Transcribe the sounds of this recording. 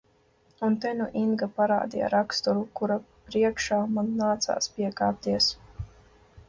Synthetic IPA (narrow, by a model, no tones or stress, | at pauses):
unt̪ɛnuʔinɡapaɾa̰ːd̪ija̰ɾakst̪uɾukuɾa | pɾiɛkʃaːmanːaːt̪sa̰ːspiɛkaːp̚t̪iɛs